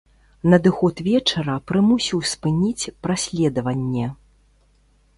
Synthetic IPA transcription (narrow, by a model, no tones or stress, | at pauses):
nɐd̪ɨxɔt̪vʲɛt͡ʂɐɾɐpɾɨmusʲiwspɨnʲit͡sʲpɾasʲlʲɛd̪ɐvɐnʲːɛ